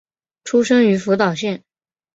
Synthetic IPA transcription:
ʈ͡ʂʰu˥ʂɤ˥ŋy˧˥fu˧˥t̪ɑ˨˩ʊɕjɛ˥˩n

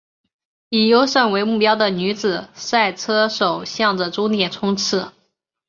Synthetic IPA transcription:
i˨˩jo˥ʊʂə˥˩ŋwe˧˥ɪmu˥˩pjɑ˥ʊd̪ə˨ny˧˥d͡zɹ̩˨˩sa˥˩ɪt͡sʰɤ˥ʂo˨˩ʊɕjɑ˥˩ŋd̪ə˩ʈ͡ʂʊ˥ŋt̪jɛ˨˩nt͡sʰʊ˥ŋt͡sʰɻ̩˥˩

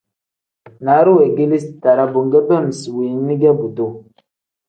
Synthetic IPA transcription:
na˨˦ɾu˦e˨ɡi˦li˦sta˨ɾa˦bo˨ŋɡə˦bə˦˨m˨swi˨˦ni˦ɡɛ˦bu˨to˦˨

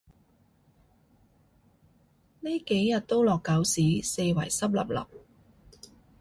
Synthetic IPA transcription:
ni˥ke˨˥jːɐ˨˩t̚t̪o˥wlɔː˨kːɐ˨˥wsiː˨˥se˧jwɐ˨˩jsɐ˥p̚lɐ̰˨p̚lɐ̰˨p̚

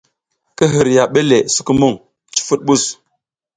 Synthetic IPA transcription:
kə˦ɦə˨ɾja˨ɓe˦le˨su̥˦kə˦mu˦ŋ | t͡ʃi̥˦fu˦t̚ɓu˦˨s

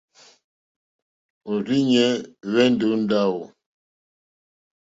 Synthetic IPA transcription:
o˨ɾi˦ɲɛ˦βɛ˦n˦do˨˦n̩˦da˦˨wo˨

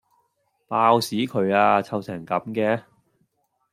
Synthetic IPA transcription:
paː˧wsiː˨˥kʰɵ˨˧ɥaː˧t͡sʰɐ˧wsɛ˨˩ŋkɐ˨˥mkɛː˧

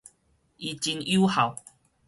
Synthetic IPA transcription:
ʔi˧t͡ɕi˧nju˦ha˨˩˦w

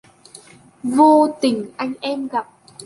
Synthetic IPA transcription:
vo˧t̪ï˨˩ŋ̟ʔa˧jŋ̟ʔɛ˧mɣa˨˩p̚

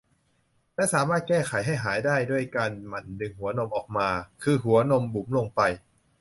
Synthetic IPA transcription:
lɛ˦˥saː˩˦maː˥˩t̪̚kɛː˥˩xʰa˨˩˦jɦa˥˩jɦaː˩˦jdaː˥˩jdu˥˩əjkaː˧nma˨˩ndɯ˧ŋhu˩˦ɐno˧mʔɔː˨˩k̚maː˧kʰɯː˧ɦu˩˦ɐno˧mbu˨˩˦mləŋpa˧j

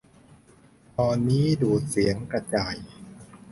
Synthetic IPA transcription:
pʰɔː˧nnːiː˦˥duː˨˩t̪̚si˨˩˦əŋkɾa˧t͡ɕaː˨˩j

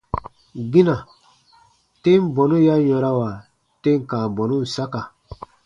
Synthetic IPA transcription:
ɡi˦na˨ | te˦m˦bɔ˨nu˦ja˦jɔ̃˨ɾa˦wa˨ | te˦ŋ˨kã˨bɔ˨nu˦n̩˨sa˦ka˨

